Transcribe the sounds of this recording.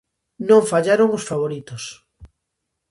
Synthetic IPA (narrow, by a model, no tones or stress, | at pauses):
nõɱfaʎaɾoŋosfaβoɾit̪os